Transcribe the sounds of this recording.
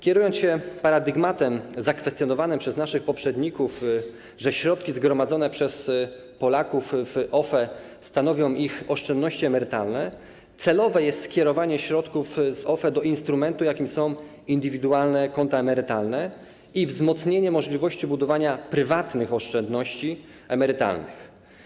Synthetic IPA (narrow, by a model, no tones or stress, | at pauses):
kʲjɛɾujɔnsɕɛpaɾad̪ɘɡmat̪ɛmzakfɛst̪ʲjɔnɔvanɘmpʂɛznaʂɘxpɔpʂɛd̪ɲikuf | ʐɛɕɾɔt̪̚kʲizɡɾɔmad̪zɔn̪ɛpʂɛs | pɔlakufʔɔfɛ | st̪anɔvʲjɔ̃w̃ʔixɔʂt͡ʂɛnd̪nɔɕt͡ɕiɛmɛɾɘt̪alnɛ | t̪sɛlɔvɛjɛst̪skʲɛɾɔvaɲɛɕɾɔt̪kufzɔfɛd̪ɔʔinst̪ɾumɛnt̪ujakʲimsɔ̃w̃ | ind̪ɘvʲid̪ualnɛkɔnt̪aɛmɛɾɘt̪alnɛ | ivzmɔt̪sɲeɲɛmɔʐlʲivɔɕt͡ɕibud̪ɔvaɲapɾɘvat̪nɘxɔʂt͡ʂɛnd̪nɔɕt͡ɕi | ɛmɛɾɘt̪a̰lnɘ̰x